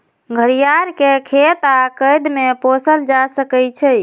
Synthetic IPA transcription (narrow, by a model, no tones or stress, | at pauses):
ɡʱəɾijaɾkekʰet̪akəjd̪meposəld͡ʒasəkɛt͡ʃʰɛ